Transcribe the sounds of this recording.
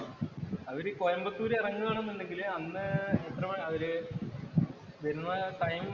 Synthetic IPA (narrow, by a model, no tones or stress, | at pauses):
ɐʋiɾɨkojɐmbɐt̪ːuːɾeirɐŋːuaːɳenːuɳɖe̞ŋɡilɐnːɨet̪rɐmɐʋɐɾɨ | ʋɐɾunːɐʈɐjm